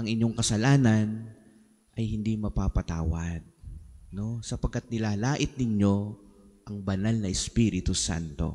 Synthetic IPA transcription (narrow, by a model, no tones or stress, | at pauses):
ʔɐŋɪɲːo̞ŋkɐsɐlaːnɐn | ʔɐjhɪnd̪imɐpaːpɐt̪a̰ːwɐd̪̚no̞sɐpɐɡ̚kːat̪̚nɪlaːlaːʔɪt̪̚nɪɲjo̞ʔɐŋbɐnalnɐʔɛspiːɾɪt̪usa̰nt̪o̞̰